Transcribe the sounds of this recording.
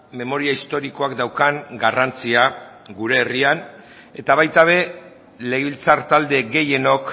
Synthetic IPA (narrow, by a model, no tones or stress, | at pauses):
me̞mo̞ɾiaist̪o̞ɾiko̞akd̪awkaŋɡarant͡sia | ɡuɾe̞ːrian | e̞t̪aβajt̪aβ̞e̞ | le̞ɣeilt͡saɾt̪ald̪e̞ɡe̞je̞no̞k